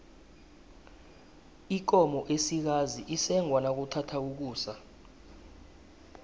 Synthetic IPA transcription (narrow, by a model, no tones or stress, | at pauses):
ik̬ɔmɔʔesik̬aziʔisɛŋwanak̬uǀʰatʰauk̬uːsa